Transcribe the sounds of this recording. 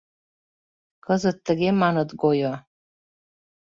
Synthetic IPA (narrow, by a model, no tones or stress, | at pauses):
kəzɨt̪ːəɡʲemanət̪ɡojo